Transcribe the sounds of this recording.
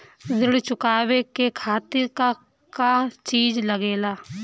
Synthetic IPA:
zɪɽt͡ʃʊkaːwekekʰaːt̪ɪɾka | kat͡ʃiːd͡ʒləɡeːlaː

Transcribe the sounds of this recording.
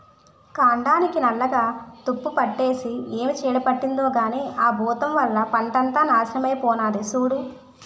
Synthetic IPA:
kaːɳɖaːnikinɐlːɐɡaːt̪upːupɐʈːe̞ːsieːmit͡ʃɛːɽɐpɐʈːind̪oːɡaːneːʔaːbʱuːt̪ɐmʋɐlːɐpɐɳʈɐnt̪aːnaːʃinɐmɐjpɔːnaːd̪esuːɽu

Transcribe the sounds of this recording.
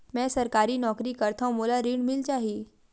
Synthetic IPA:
mɛ̃səɾkaɾiːnɔkɾiːkəɾt̪ʰãmolaɾiːɳmilt͡ɕaːɦi

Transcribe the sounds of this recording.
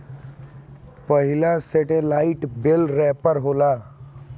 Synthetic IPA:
pəɦɪlaseʈelaːɪʈbɪlɾɛːpəɾɦoːlaː

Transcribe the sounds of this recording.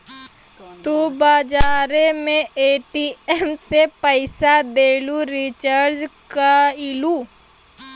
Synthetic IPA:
t̪ubaːd͡ʒaːɾemẽʔeːʈiɛmsepəɪsad̪eːluɾɪt͡ʃəɾd͡ʒkaɪlu

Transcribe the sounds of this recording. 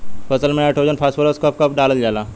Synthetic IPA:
pɐsəlmẽeʈʰoːd͡ʒənpʰaːsfəloskɐp̚kɐp̚ɖaːləld͡ʒaːlaː

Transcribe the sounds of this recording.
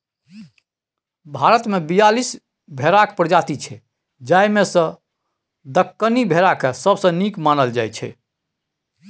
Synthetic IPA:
bʱaɾət̪mebijalis | bʱeɾakpɾd͡ʒat̪it͡ʃʰɛ | d͡ʒajmesə̃ | d̪əkːənibʱeɾakesəbsə̃nikmanəld͡ʒajt͡ʃʰɛ̰

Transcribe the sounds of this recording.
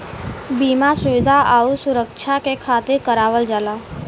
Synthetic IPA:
biːmasʊʋɪd̪ʱaʔaːusʊɾəkʃʰakekʰaːt̪ɪɾkəɾaːʋəld͡ʒaːlaː

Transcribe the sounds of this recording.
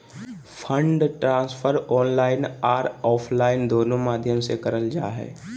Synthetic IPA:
pʰə̃ɳɖʈɾãːspʰəɾɔːnlaːɪnaːɾɔːpʰlaːɪnd̪oːnõmaːd̪ʱjəmsekəɾəld͡ʒa̰ːɦɛ̰ː

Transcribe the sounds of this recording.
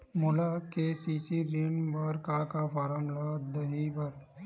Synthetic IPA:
mʊlakesisiɾɪnbəɾkakapaɾəmlad̪ɐɦibəɾ

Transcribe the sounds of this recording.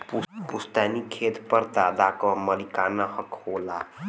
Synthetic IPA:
pupust̪anikʰeːt̪pəɾd̪aːd̪akəməlikanahəkhola

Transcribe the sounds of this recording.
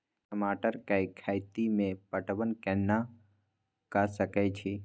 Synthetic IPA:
kəmaːʈəɾkaikʰaːjt̪imẽpəʈbənkɛnːa | kasəkɛt͡ʃʰi

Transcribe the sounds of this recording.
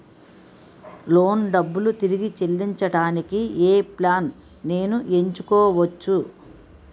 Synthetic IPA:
lo̞ːnɖɐbːulut̪iɾiɡit͡ʃe̞lːiɲt͡ʃɐɽaːnikieːplaːn | ne̞ːnuʔe̞ɲt͡ʃukɔːʋɐt͡ʃːu

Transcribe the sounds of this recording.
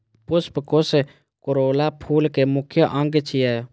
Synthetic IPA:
pʊspkose | koɾoːlapʰuːlkemʊkʰjəʔə̃ŋɡt͡ʃʰijɛː

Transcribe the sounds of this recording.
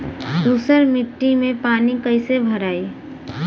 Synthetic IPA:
d̪uːsəɾmɪʈːimẽpaːnikəɪsebʱəɾaːi

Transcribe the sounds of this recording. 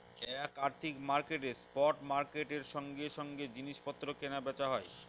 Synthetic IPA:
ɛkaɾt̪ʰikmaɾkeʈespɔʈmaɾkeʈeɾʃɔŋɡeʃɔŋɡed͡ʑiniʃpɔt̪ːɾokenabɛt͡ɕaɦɔe

